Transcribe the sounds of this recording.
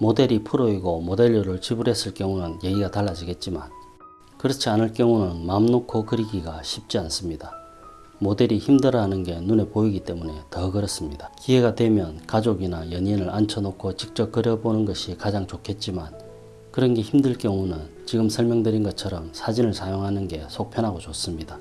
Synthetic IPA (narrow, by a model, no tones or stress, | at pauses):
mode̞ɾipʰɯɾoiɡomode̞ʎːuɾɯɭt͡ɕibuɾe̞s͈ɯɭk͈jʌŋunɯnje̞ɡiɡataɭːad͡ʑiɡe̞t̚t͡ɕ͈iman | kɯɾʌt͡ɕʰianɯɭk͈jʌŋunɯnmamnokʰokɯɾiɡiɡaɕʰip̚t͡ɕ͈ians͈ɯmɲida | mode̞ɾiçimdɯɾʌɦanɯnɡe̞nune̞poiɡit͈e̞mune̞tʌɡɯɾʌs͈ɯmɲid̥ḁkiɦe̞ɡadwe̞mjʌnkad͡ʑoɡinajʌɲinɯɭʔant͡ɕʰʌnokʰot͡ɕik̚t͡ɕ͈ʌp̚k͈ʌɾjʌbonɯnɡʌɕʰikad͡ʑaŋt͡ɕokʰe̞t̚t͡ɕ͈iman | kɯɾʌnɡe̞çimdɯɭkjʌŋunɯn | t͡ɕiɡɯmsʰʌɭmjʌŋdɯɾinɡʌt͡ɕʰʌɾʌmsʰad͡ʑinɯɭsʰajoŋɦanɯnɡe̞sʰok̚pʰjʌnɦaɡot͡ɕos͈ɯmɲida